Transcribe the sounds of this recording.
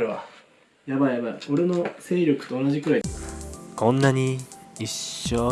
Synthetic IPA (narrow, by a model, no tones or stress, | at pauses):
ɯβa | jabaiabaio̞ɾe̞no̞se̞ːɾʲo̞kɯ̟̥t̪o̞ːnaʑikɯ̟ɾaikʰõ̞nːaɲ̟iiɕoː